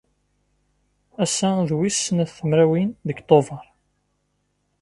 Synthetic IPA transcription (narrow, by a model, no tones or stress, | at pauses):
æsːæðwisːənθəmɾæwinðəɡt̪ˤːovɑɾˤ